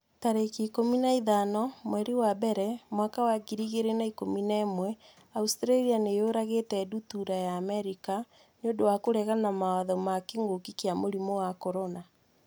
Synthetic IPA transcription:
taɾekiːkominaiðanɔmwɛɾiwabɛɾɛmwakawaɡiɾiɣeɾenaikominɛːmwɛ | austɾalianejoɾaɣetɛdutuɾajaːmɛɾika | neodowakoɾɛɣanamawaðɔmakeŋɡokikjamoɾimɔwakɔɾona

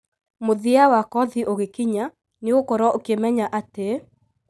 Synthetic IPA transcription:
moðiawakɔðiʔoɣekiɲa | neokɔɾɔʔokemɛɲaʔate

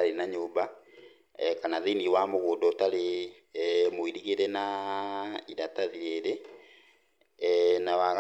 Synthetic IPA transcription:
aɾenaɲoːba | kanaðeniwamoɣoːdɔtaɾe | moiɾiɣeɾɛna | iɾataðiɾeːɾe | nawaɣ

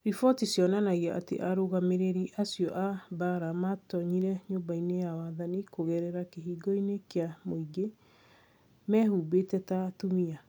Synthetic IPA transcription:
ɾifɔtisjɔnanaɣiaʔa̰tḛʔaɾoɣameɾeɾiʔasiɔʔabaɾamatɔɲiɾɛɲobainejawaðanikoɣɛɾɛɾakeɦiːɡɔinekeamoiɡe | mɛhuːbetɛtatumia

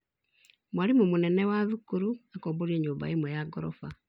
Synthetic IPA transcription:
mwaɾimomunɛnɛwaðukuɾuakɔːboɾiɛɲoːmba̰emwɛjaɡɔɾɔ̰fa

